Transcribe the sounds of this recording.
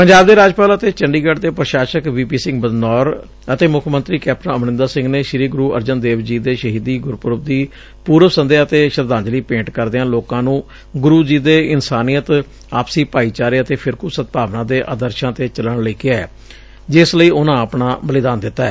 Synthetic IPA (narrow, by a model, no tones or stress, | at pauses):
pəɲd͡ʒaːb̚d̪eːɾaːd͡ʒpaːlət̪eːt͡ʃəɳɖiːɡəɖt̪eːpɾəʃaːʃəkʋiːpiːsɪ̃ŋɡbəd̪nɔːɾ | ət̪eːmʊkʰmənt̪ɾiːkɛːp̚ʈənəmnɪ̃nd̪aːsɪ̃ŋɡneːʃɪɾiːɡʊɾuːə̰ɾd͡ʒənd̪eːʋd͡ʒiːd̪eːʃəɦiːd̪iːɡʊɾpʊɾəbd̪iː | puːɾəsənd̪eːət̪eːʃəɾd̪ãːnd͡ʒliːpẽːɳʈkəɾd̪eːãːloːkãːnũː | ɡʊɾuːd͡ʒiːd̪eːɪnsaːniːjət̪ | aːpsiːpaːiːt͡ʃaːɾeːət̪eːpʰɪɾkuːsət̪̚paːʋnãːd̪eːʔaːd̪əɾʃãːt̪eːt͡ʃələɽləiːkeɛː | d͡ʒɪsləiːʊnãːəpɳãːbəlɪd̪aːnd̪ɪt̪ːaɛː